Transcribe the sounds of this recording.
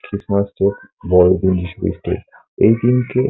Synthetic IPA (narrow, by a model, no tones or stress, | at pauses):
kɾismasʈekbɔɾod̪ind͡ʑiʃubḭsʈḛʈ | ejd̪inke